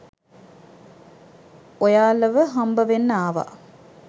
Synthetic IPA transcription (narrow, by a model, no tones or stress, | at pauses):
ojaːlːəʋəɦɐmbəʋenːəaːʋa̰